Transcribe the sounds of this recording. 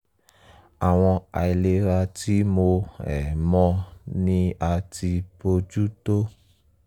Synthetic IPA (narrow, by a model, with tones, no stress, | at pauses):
a˨w̃ɔ̃˧a̰˨i˨le˦ɾa˧ti˨˦mo˧ɛ˨mɔ̃˧nĩ˦a˧ti˧po˧d͡ʒu˦to˦